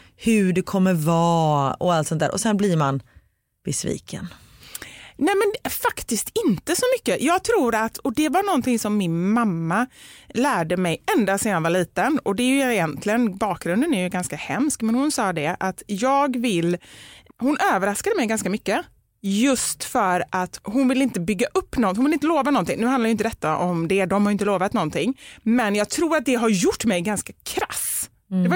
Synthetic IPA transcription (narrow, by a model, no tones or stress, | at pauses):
hɵɖɛkʰɔmːəvɑːɔ̰alt̪sɔnt̪ʰːæ̰ɾʔɔsɛnblɪɾman | b̥ɛsvḭːkʰə̰n | nɛmɛnfakt̪ɪst̪ɪnt̪əsɔmʏkːəjɑːɡ̚t̪ʰɾuːɾat̪ɔd̪ɛvaɳɔnt̪ʰɪŋsɔmːɪnmamːalæːɖəmɛjɛnd̪aseːd̪anvaɭiːt̪ənɔd̪ɛjɵɪjɛnt̪ʰlɪɡənbɑːk̚ɡɾɵnd̪ənæɾjɵɡanskahɛmskmɛnhʊnsɑːd̪ɛʔat̪jɑːɡvɪlːhʊnʔøːvəɾaskad̪əmɛjɡanskamʏkːə | jɵst̪fœɾʔat̪hʊnvɪlɪnt̪əbʏɡːaʔɵpːnɔnhʊnvɪlɪnt̪əloːvanɔnt̪ɪŋnʉ̟hanajʏɪnt̪d̪ɛt̪ːaʔɔmd̪ɛd̪ɔmhaɾjʏɪnt̪əloːvat̪nɔnt̪ɪŋːmɛnjɑːɡ̚t̪ʰɾuːɾat̪̚d̪ɛɦaɾjʊʈːmɛjɡanskakʰɾas | d̪ɛv